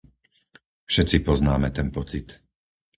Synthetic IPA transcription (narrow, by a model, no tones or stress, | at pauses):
fʃɛt͡sipɔznaːmɛt̪ɛnpɔt͡sit̪